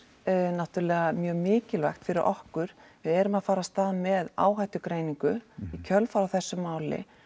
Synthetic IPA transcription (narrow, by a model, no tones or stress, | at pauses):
naht̪ʏɾlɛɣamjœːɣmɪːcɪlvajxt̪fɪɾɪɾʔɔhkʏɾ̥vɪðɛɾʏmaðfaːɾast̪aːðmɛða̰ːwɦajt̪ʏkɾeːjniŋkʏicʰœlfaɾawθɛsːʏmaːwlɪ̰